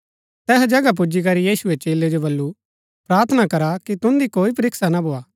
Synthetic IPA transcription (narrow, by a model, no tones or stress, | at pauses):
t̪ɛːsd͡ʒɐɡap̬ʊd͡ʒik̬ɐɾijiːsʊet͡ʃeːled͡ʒobɐlːu | pɾaːɾt̪ʰənakɐɾakit̪ʊ̃nd̪ikoːipɐɾɪksanabʱoːaː